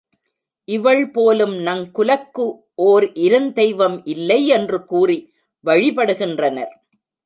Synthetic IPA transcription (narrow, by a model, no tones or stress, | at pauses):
ʔɪʋɐɭpoːlɯmnɐŋkʊlɐkːɯ | ʔoːɾʔɪɾɯnd̪ɛɪʋɐmʔɪlːɐɪɛndrɯkuːri | ʋɐɻɪpɐɽɯɣɪndrɐnɐ̰ɾ